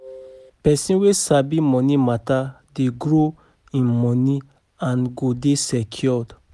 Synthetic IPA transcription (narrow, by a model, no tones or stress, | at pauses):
pɛsĩnwesabimɔ̃nimata | deɡɹo | ĩnmɔ̃ni | ãnɡodesɛkʰjɔd